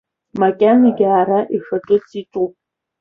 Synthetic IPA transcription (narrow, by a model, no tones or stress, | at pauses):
makʲʼaniɡʲaːraʔixɐʈ͡ʂʼɨt͡sʼiʈ͡ʂʼupʼ